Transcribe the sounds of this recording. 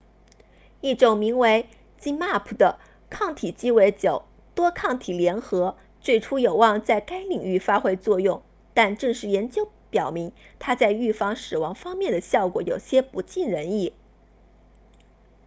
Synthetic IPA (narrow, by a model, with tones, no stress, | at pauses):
i˥˩ʈ͡ʂʊ˨˩ŋmi˧˥ŋwe˧˥ɪ | t͡ɕi˥nma˥˩pʰu˥˩d̪ə˦ | kʰɑ˥˩ŋt̪ʰi˨˩t͡ɕi˥we˧˥ɪt͡ɕjo˨˩ʊ | t̪wɔ˥kʰɑ˥˩ŋt̪ʰi˨˩ljɛ˧˥nxɤ˧˥ | t͡swe˥˩ɪʈ͡ʂʰu˥jo˨˩ʊwɑ˥˧ŋt͡sa˥˩ɪka˥ɪli˨˩ŋy˥˩fa˥xwe˥˧ɪt͡swɔ˥˧jʊ˥˩ŋ | t̪a˥˧nʈ͡ʂɤ˥˧ŋʂɻ̩˥˩jɛ˧˥nt͡ɕjo˥ʊ | pjɑ˨˩ʊmi˧˥ŋt̪ʰa˥t͡sa˥˧ɪy˥˩fɑ˥˩ŋʂɻ̩˨˩wɑ˧˥ŋfɑ˥ŋmjɛ˥˩nd̪ə˩ɕjɑ˥˩ʊkwɔ̰˧˥jo˨˩ʊɕjɛ˥pu˧˥t͡ɕi˥˩nɻə˧˥ni˥˩